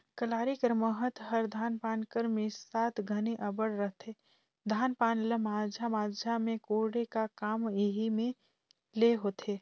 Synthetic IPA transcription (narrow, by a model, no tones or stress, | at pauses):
kəlaːɾikəɾməɦət̪ɦəɾd̪ʱaːnpaːnkəɾmẽsaːt̪ʰɡʱəneʔəbəɽɾəɦt̪eː | d̪ʱaːnpaːnləmaːd͡ʒʱamaːd͡ʒʱamẽkoːɽekakaːmiɦimẽ | leɦoːt̪ʰeː